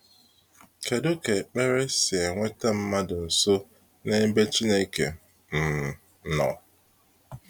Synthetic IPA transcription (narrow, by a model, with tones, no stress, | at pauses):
ke˨do˦ke˨k͡pe˦ɾe˦sɪ˨e˨ŋʷe˦ta˦m̩˦ma˦dʊ˨n̩˨so˦ | ne˦m̩˦be˦t͡ʃi˦ne˦i˦kḛ˨ | m̩˨ | nɔ̰˨